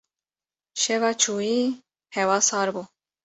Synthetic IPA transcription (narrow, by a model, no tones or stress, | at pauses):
ʃɛvɑːt͡ʃʰuːi | hɛwɑːsɑːɾbuː